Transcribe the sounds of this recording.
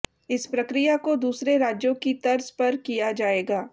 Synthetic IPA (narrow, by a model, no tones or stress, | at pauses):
ɪspɾɐkɾijakod̪uːsɾeɾaːd͡ʒjõkit̪ɐɾzpɐɾkijad͡ʒaːeːɡaː